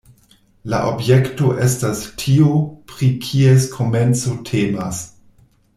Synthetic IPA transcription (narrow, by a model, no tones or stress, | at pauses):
la̰ʔo̞bjekto̞ʔe̞stastʰiopɾikʰieskʰo̞me̞nt͡so̞tʰeːmas